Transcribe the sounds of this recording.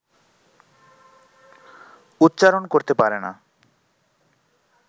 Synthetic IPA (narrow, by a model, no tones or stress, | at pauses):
ut̪ːɕaɾonkoɾt̪epaɾena̰